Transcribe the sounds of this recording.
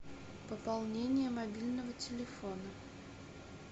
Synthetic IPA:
pəpɐlˠnʲenʲɪjəmɐbʲilʲnəvətʲɪlʲɪfo̞nə

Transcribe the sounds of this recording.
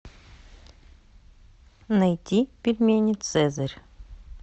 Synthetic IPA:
nɐjt̪ʲipʲilʲmʲenʲit̪sɛzɐɾʲ

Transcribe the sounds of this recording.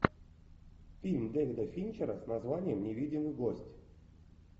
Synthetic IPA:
fʲilʲmd̪ɛɣʲd̪əfʲinʲt͡ɕeɾasnazvanʲɪjəmnʲevʲidʲɪmɨɡosʲtʲ

